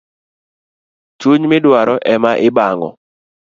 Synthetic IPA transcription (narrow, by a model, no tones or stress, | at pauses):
t͡ʃuɲmɪdwaɾɔʔɛmaʔɪbaŋɔ̰